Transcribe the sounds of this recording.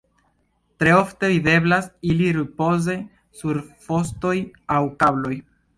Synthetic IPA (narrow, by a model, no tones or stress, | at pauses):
tɾe̞o̞fte̞vide̞blasiliɾipo̞ze̞ | suɾfo̞sto̞jawkablo̞j